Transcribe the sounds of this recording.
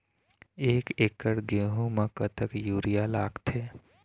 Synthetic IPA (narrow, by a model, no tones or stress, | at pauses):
eːkekəɽɡẽːɦũmãkət̪ʰəkjuːɾijalaːɡt̪ʰeː